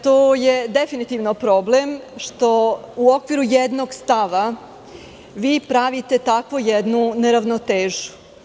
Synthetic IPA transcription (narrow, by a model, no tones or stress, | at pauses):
t̪oːjed̪efinit̪iʋno̞pɾo̞ble̞mʃt̪o̞uo̞kʋiɾujed̪no̞ɡst̪aʋa | ʋiːpɾaʋit̪e̞t̪akʋojed̪nune̞ɾaʋnot̪eːʒu̥